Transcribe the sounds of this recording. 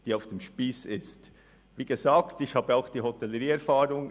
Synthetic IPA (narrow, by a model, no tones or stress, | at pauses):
d̥iːaʊfd̥emʃpiːsɪst | viːɡəzaːktɪçhaːb̥əaʊxd̥iːɦɔtɛlːəɾiːɛɾfaːɾʊŋ